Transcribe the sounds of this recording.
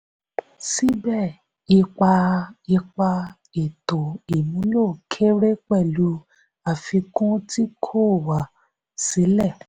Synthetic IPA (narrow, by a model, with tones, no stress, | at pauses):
si˦bɛ˦˨ | i˧k͡pa˧i˧k͡pa˧ | e˨to˨i˨mũ˨˦lo˦˨kʰe˦ɾe˦k͡pɛ˦˨lu˧˦ | a˨fi˧kũ˦ti˦kʰo˦˨wa˨ | se˨˦lɛ˦˨